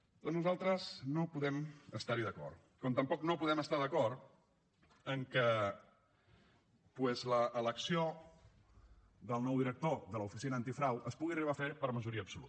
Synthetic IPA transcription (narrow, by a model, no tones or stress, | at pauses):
d̪̥ɔnuzalˠt̪ɾəznopuðɛməst̪aɾiðəkɔ̰ɾt̪ | kɔmt̪əmpɔknopuðɛməst̪aðəkɔɾt̪ | əŋkə | pwɛzləʔːləksio | ðəlˠnɔwðiɾək̚t̪oðələufisinəːnt̪ifɾawʔəspuɣiəriβafepəɾməʒuɾiəːpsulṵt̪